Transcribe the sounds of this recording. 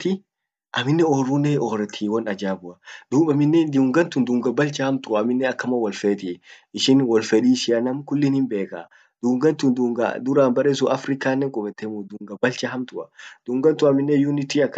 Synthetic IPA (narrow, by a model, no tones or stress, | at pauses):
t̪ɪ | ʔɐmɪnːɛɔːrːunːɛɔːɾɛt̪ʰiːwɔnɐd͡ʒaːbʊɐd̪̥uːɓɐmɪnːɛnd̪uːŋɡɐnt̪ʊnd̪ʊŋɡɐbɐlt͡ʃɐhɐmt̪ʊɐːmɪnːɛɐkːɐmɐwɐlfeːt̪ɪ | ɪʃɪnwɔlfɛᶑiːʃɪjɐnɐmkʊlːɪnɪmbe̞ːka̰ | d̪̥uːŋɡɐnt̪ʊnd̪uŋɡɐ̰d̪ʊɾaːnbɐɾeːs̬ʊʔɐfɾɪkaːnːɛŋkʼɔbɛt̪ːɛmud̪ʊŋɡɐbɐlt͡ʃɐɦɐmt̪ʊɐd̪̥ʊŋɡɐnt̪ʊɐmɪnːɛjʊnɪt̪iɐkː